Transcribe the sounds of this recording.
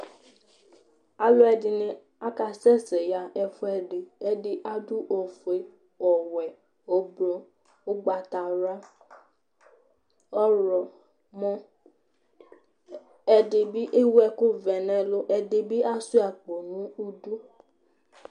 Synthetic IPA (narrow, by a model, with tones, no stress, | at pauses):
a˦lʊ˦ɛ˨dɪ˨nɪ̃˨˦ | a˦ka˨sɛ˦sɛ˨ja˨ʔɛ˨fʊ˦ɛ˨ɖɪ˨ɛ˦dɪ˦ʔa˦du˦ʔɔ˨fʊ˨e˨ | ɔ˨wɛ˨ | o˦bɔ˦ | o˦ɡ͡ba˨t̪a˨ɾa˦ | ɔ˦ɾɔ˨ | mɔ̃˦ | ɛ˨dɪ˨bi˦ʔe˦wu˦ɛ˦˨kʊ˦vɛ˨nɛ̃˨lʊ˦ʔɛ˨dɪ˨bi˦a˦su˦a˨k͡po˨nũ˨˦u˦du˦